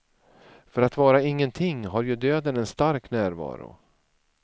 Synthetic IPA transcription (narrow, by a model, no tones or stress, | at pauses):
fœɾat̪vɑːɾaɪŋːənt̪ʰɪŋɦaɾjɵd̪øːd̪ənɛnst̪aɾknæːɾvɑ̰ːɾʊ̰